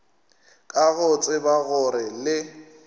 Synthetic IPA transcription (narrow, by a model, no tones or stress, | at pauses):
kʼaɣʊt͡sʼɪbaɣʊɾɪlɪ